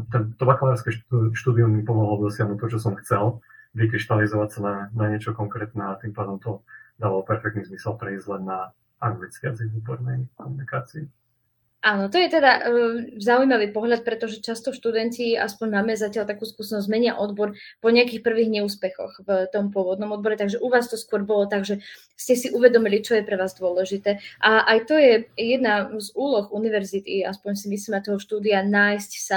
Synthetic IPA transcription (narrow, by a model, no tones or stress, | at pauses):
t̪ɛnt̪ɔbakalaɾaɾskɛʃtʃt̪uːd̪iumːipɔmɔɦɔld̪ɔsɪaɦnuːt̪̚ɔt͡ʃɔsɔmxt͡sɛlʋik̬ɾiʃt̪alizɔʋacsananaɲɪɛt͡ʃɔkɔŋkɾɛːt̪nɛat̪impaːd̪ɔmt̪ɔd̪aːʋalɔpɛɾfɛk̚t̪nizmisɛlpɾɛizɟlɛnːa | aɡʋit͡sɪad͡ziubɔɾnɛjkɔmunikaːt͡sii | ʔaːnɔt̪ɔjɛt̪ɛd̪azaujmaʋiːpɔɦʎat̪̚pɾɛt̪ɔʒɛt͡ʃast̪ɔʃt̪ud̪ɛncia̰spɔɲmaːmɛzacɪaʎt̪akuːskusɛnɔzmɛɲɪaʔɔd̪bɔɾpɔɲɛakiːxpr̩ʋiɣɲɛuːspɛxɔ̰xvt̪ɔmpʊɔʋɔd̪nɔmɔd̪bɔɾɛt̪aɡʒɛʔuʋaːst̪ɔskʊɔɾbɔlɔt̪aɡʒɛ | scɛsiʔuʋɛd̪ɔmilit͡ʃɔjɛpɾɛʋaːzd̪ʊɔlɛʒit̪ɛːʔaʔajt̪ɔjɛjɛd̪nazuːlɔxuniʋɛɾzit̪ia̰spɔɲsimisliːmat̪ɔɦɔʃt̪uːd̪ianaːjscsa